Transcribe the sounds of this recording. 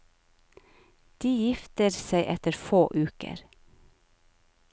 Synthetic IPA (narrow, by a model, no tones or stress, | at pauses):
d̪̥iːjɪft̪əɾseɪʔɛt̪əɾfoːʔʉːkə̰ɾ